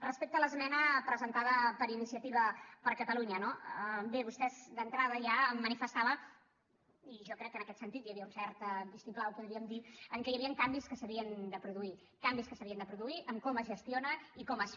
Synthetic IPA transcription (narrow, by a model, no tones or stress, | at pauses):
rəspek̚t̪ələzmɛnəpɾəzənt̪aðəpəɾinisiət̪iβəpəɾkət̪əluɲənobeβust̪ɛzd̪ənt̪ɾað̞əʒaːmːənifəst̪aβə | iʒɔkɾɛkːənəkɛt̪sənt̪it̪jəβiəunsɛɾt̪əbisuplawpuðɾiəmd̪iəŋkəjəβiəŋkambiskəsəβiənd̪əpɾuðui | kambiskəsəβiənd̪əpɾuðuiʔəmkɔməzʒəst̪ionəikɔməs